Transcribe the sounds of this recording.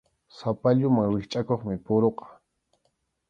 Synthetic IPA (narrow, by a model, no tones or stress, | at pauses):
sapaʎʊmaŋwɪχt͡ʃʼakoχmɪpʊɾoqɑ̥